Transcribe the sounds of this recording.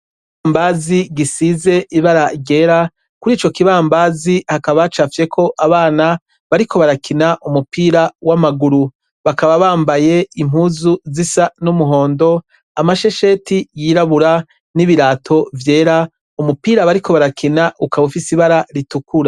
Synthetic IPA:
βambaziɡisize̞ʔiβaɾaɾɟe̞ːɾa | kuɾiːt͡ʃo̞kiβaːmbaːzihakaβat͡ʃafje̞kʰo̞ʔaβaːna | βaɾikʰo̞βaɾakinaʔumupiːɾawamaɡuɾu | βakaβaβaːmbaje̞im̥huzuzisanumuɦo̞ːndo̞ | amaʃe̞ʃe̞tijiɾaβuɾa | niβiɾaːtʰo̞vje̞ːɾa | umupiːɾaβaɾiko̞βaɾakʰinaʔukaβufisiβaɾaɾitukuɾa

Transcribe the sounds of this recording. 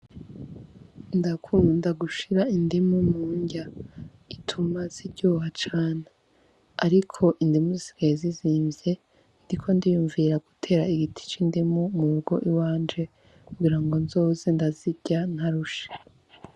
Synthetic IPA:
ndakʰuːndaɡuʃiɾaindimumuːɲɟa | itʰumaz̥ibɟoːhat͡ʃaːne | aɾikʰo̞ʔindimuzisi̥ɡ̥ajeziziːmvje̞ | ndikʰo̞ndijuːɱviɾaɡ̥utʰe̞ːɾaiɡitʰi̥t͡ʃindimumuuɡo̞ʔiwaːnd͡ʒe̞ | kuɡiɾaŋɡo̞nzo̞ːze̞ndaziɟ̥an̥haɾuʃe̥

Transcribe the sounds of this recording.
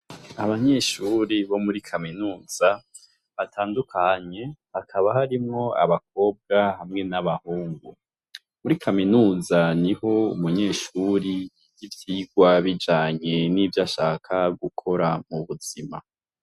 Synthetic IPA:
aβaɲe̞ːʃuɾiβo̞muɾikʰaminuːz̥a | βatʰaːndukʰaɲe̞βakʰaβahaɾimŋo̞a̰βak̚o̞ːb̚ɡahamŋe̞naβahuːŋɡu | muɾikʰaminuːzaniho̞umuɲe̞ːʃuɾi | jivjiːɡwaβid͡ʒaːɲe̞nivjaʃaːkʰaɡukʰo̞ɾamuβuz̥ima̰

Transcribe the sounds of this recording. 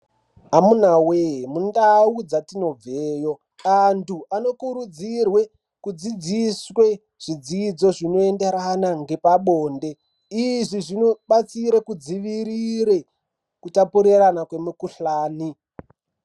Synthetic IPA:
amunaweɦmundaud͡zatino̞b͡veːjo̞ | antʰuano̞kuɾud͡zirwe̞ | kud͡zid͡ziswe̞ | ʐ̥id͡zid͡zo̞ʐino̞endeɾanaŋɡe̞paɓo̞ːnde̞ | iʐiʐinoɓat͡siɾekud͡ziʋiɾiɾe̞ | kutapuɾiranakwe̞mukuɬaːni

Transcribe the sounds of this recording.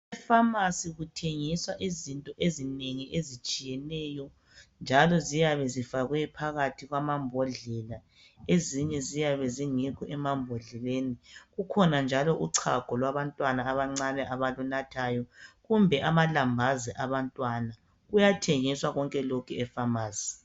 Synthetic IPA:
ɛfamasiɣutʰeŋiswaʔizintʼɔʔezineŋiʔezit͡ʃʼijɛnɛːjɔ | nd͡ʒʱalɔzijaβɛzifaɣwɛpʰaɣatʰiɣwamambʱɔɮɛla | eziɲɛzijaβɛziŋikʰɔʔɛmambʱɔɮɛleːniɣukʰɔnand͡ʒʱalɔʔuǀʰaɡ̥ʱɔlwaβantʼwanaːβaŋ͡ǀanɛʔaβalunatʰaːjɔɣumbʱɛʔamalambʱazɛʔaβantʼwana | ɣujatʰeŋiswaɣɔŋkʼɛlɔkʰɛɛfamaːz̥i

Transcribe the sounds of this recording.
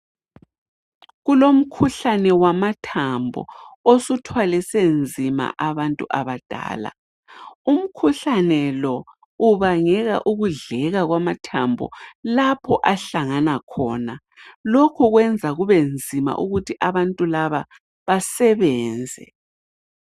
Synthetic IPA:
ɣulom̩kʰuɬanɛwamatʰambʱɔ̰osutʰwalɛsend͡zʱima̰ʔaβantʼuʔaβad̥ʱa̰ːla̰ | um̩kʰuɬanɛlɔ | uβaŋɛɣa̰ʔuɣuɮɛɣaɣwamatʰambʱɔ̰lapʰɔʔaɬaŋanakʰɔ̰ːna | lokʰɔɣwɛnd͡zʱaɣuβend͡zʱima̰ʔuɣutʰiʔaβantʼulaβa | βasɛβɛːnd͡zʱɛ̰

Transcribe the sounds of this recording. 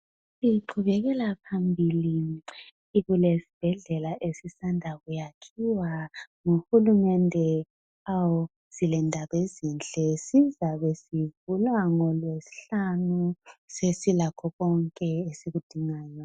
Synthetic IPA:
siǃʰuβɛɣɛlapʰambʱiliː | ɣulesi̥b̥ʱɛɮɛlaʔesisandʱaɣujakʰiwaŋuxulumɛndʱɛ | aw | z̥ilɛndʱaβezint͡ɬʼɛsizaβɛsivulwaŋɔlwesi̥ɬanusesilakʰɔɣɔŋkʼɛesiɣud̥ʱiŋaːjɔ

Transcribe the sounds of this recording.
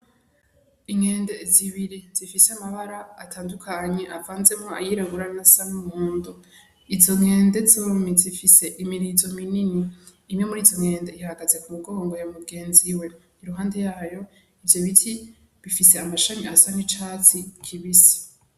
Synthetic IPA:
iŋeːnde̞ziβiɾiz̥ifiseamaβaɾaatʰaːndukʰaɲe̞ʔavaːnze̞mŋoa̰jiɾaɡuɾanasanumuːndo | izo̞ŋe̞ːnde̞zomizifise̞ʔimiɾizo̞mininiːme̞muɾiːzo̞ŋe̞ːnde̞ihaɾaɡazekumuɡo̞ːŋɡo̞jomubɡe̞ːnziwe̞niɾuɦaːnde̞jaːjo̞ | ivjo̞βitʰi | βifise̞amaʃaɲiasan̥it͡ʃat͡sikʰiβisi̥

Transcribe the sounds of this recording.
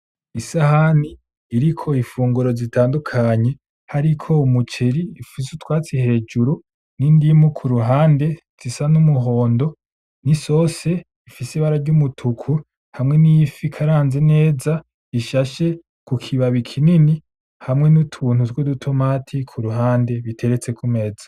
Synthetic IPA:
isahaniː | ɾikʰo̞ifuːŋɡuɾo̞zitʰaːndukʰaɲe̞ | haɾikʰo̞umut͡ʃeɾiːfis̬utwaːt͡sihe̞ːd͡ʒuɾu | nindimukʰuɾuɦaːnde̞ | z̥isanumuɦo̞ːndo̞ | niso̞se̞ | ifisiβaɾaɾɟumutʰukʰu | hamŋe̞nifikʰaɾaːnze̞ne̞ːza | iʃaʃe̞ | kukʰiβaβikʰinini | hamŋe̞nutʰuːnutwudutʰomatʰikʰuɾuɦaːnde̞βitʰe̞ɾet͡se̞kʰume̞zḁ

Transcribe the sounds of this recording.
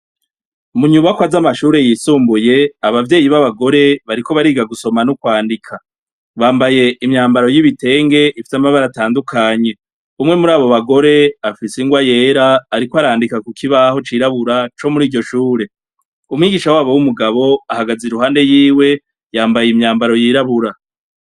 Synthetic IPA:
muɲuβakwazamaʃuːɾe̞jiːsuːmbuje̞aβavje̞ːjiβaβaɡo̞ɾe̞βaɾiko̞βaɾiːɡaɡuso̞manukwaːndikʰa | βaːmbaje̞ʔimɲaːmbaɾo̞jiβite̞ːŋɡe̞ʔifi̥samaβaɾataːndukʰaɲe̞ | umŋe̞muɾaːβo̞βaɡo̞ɾe̞afiseŋɡwaje̞ːɾaːɾikoaɾaːndikakukʰiβaho̞t͡ʃiːɾaβuɾat͡ʃo̞muɾiːɟɟo̞ʃuːɾe̞ | umŋiːɡiːʃawaːβowumuɡaβo̞ahaɡaziɾuɦaːnde̞jiːwe̞ | jaːmbajimɲaːmbaɾo̞jiːɾaβuɾa

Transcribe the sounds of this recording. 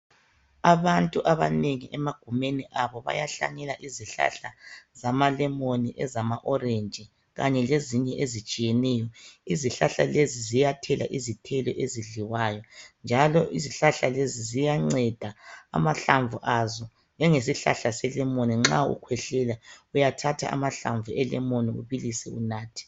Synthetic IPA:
aβantʼuʔaβaneŋiʔɛmaɡ̥ʱumeniʔaβɔβa̰jaɬa̰ɲɛlaʔiziɬa̰ɬazamalɛmoniʔɛzamaʔɔrend͡ʒʱʼi | ɣaɲɛleziɲɛʔezit͡ʃʼijɛnɛjɔiziɬaɬalezizijatʰɛla̰ʔizitʰɛlɔʔeziɮiwajɔnd͡ʒʱalɔʔiziɬaɬalezizijaŋ͡ǀɛd̥ʱa̰ːmaɬaɱvuʔazɔ | nd͡ʒɛŋesiɬa̰ɬasɛlɛmoniŋ͡ǁaṵkʰwɛɬɛlaujatʰatʰa̰a̰maɬa̰ɱvuɛlɛmoniuβilisɛunaːtʰi̥

